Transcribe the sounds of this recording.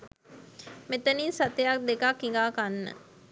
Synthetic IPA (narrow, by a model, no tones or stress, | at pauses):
met̪ɐniːnsat̪ejak̚d̪ekakːiŋɡaːkanːə̰